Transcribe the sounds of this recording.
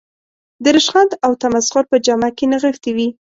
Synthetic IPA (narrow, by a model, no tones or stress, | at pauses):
d̪əɾɪʃxand̪awt̪amasqʊɾpəd͡ʒamakenaɣəft̪iwi